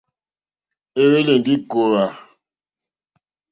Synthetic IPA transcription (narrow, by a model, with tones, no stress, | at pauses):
e˦we˦le˨n˨di˦ko˨ɣa˨